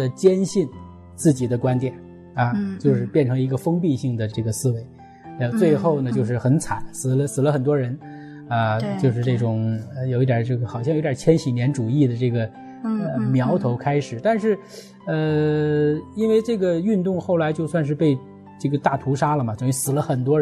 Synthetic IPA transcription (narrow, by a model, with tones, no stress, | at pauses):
ə˧˩t͡ɕjɛ˥nɕi˥˧n | t͡sɹ̩˥˩t͡ɕi˨˩d̪ə˦kwa˥nt̪jɛ˨˩˦n | ɐ˧t͡ɕjo˥˧ʊʂɻ̩˥˧pjɛ˥˩nʈ͡ʂʰɤ˧˥ŋi˧˥ɡə˧fɤ˥ŋp̬i˥˧ɕi˥˩ŋd̪ə˩ʈ͡ʂɤ˥˩ɡə˩sɹ̩˥we˧˥ɪ˥˧˥ | t͡swe˥˧ɪxo˥˩ʊnə˩t͡ɕjo˥˧ʊʂ̬ɻ̩˥˩xə˧˥nt͡sʰa˨˩˦nsɹ̩˨˩lə˦sɹ̩˨˩lə˦xə˨˩nt̪̬wɔ˥ɻə˧˥n | a˧t͡ɕjo˥˧ʊʂɻ̩˥˧ʈ͡ʂɤ˥˩ʈ͡ʂʊ˨˩ŋə˧jo˨˩ʊi˥˩t̪ja˨˩t͡ɕjo˥˩xɑ˨˩ʊɕɑ˥˧jo˧˥˩jʲt͡ɕʰjɛ˥nɕi˨˥njɛ˧˥nʈ͡ʂu˨˩i˥˩d̪ə˩ʈ͡ʂɤ˥˩ɡə˩ | ə˧mjɑ˧˥ʊt̪ʰo˧˥ʊkʰa˥ɪʂɻ̩˨˩˦t̪a˥˧nʂɻ̩˥˩ | ə˧ | i˥nwe˥˧ɪʈ͡ʂɤ˥˩ɡə˩y˥˧nt̪ʊ˥˧ŋxo˥˩ʊla˧˥ɪt͡ɕjo˥˧ʊswa˥˧nʂ̬ɻ̩˥˧pe˥˧ɪ | ʈ͡ʂɤ˥˩ɡə˩t̪a˥˩t̪ʰu˧˥ʂa˥lə˨mɐ˩t͡sʊ˨˩ŋy˧˥sɹ̩˨˩lə˦xə˨˩nt̪wɔ˥